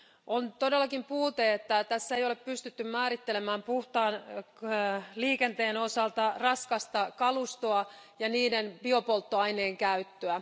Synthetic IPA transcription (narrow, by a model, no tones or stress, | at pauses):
ʔont̪o̞delːɑkimpuːt̪eet̪ːæt̪æsːæejoleppyst̪yt̪ːymmæːɾit̪ːelemæːmpuht̪ɑːn | liːkent̪eːno̞sɑlt̪ɑrɑskɑst̪ɑkɑlust̪oɑ | jɑniːdenbio̞polt̪ːoɑineːŋkæyt̪ːøæ